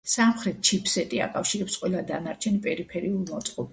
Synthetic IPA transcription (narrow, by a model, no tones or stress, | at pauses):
samχɾɛt̪̚t͡ʃʰipʰsɛt̪ʼia̰kʼafʃiɾɛpsqʼwɛlˠad̪anaɾt͡ʃʰɛnpʼɛɾipʰɛɾiulˠmɔt̪sʼqʼɔb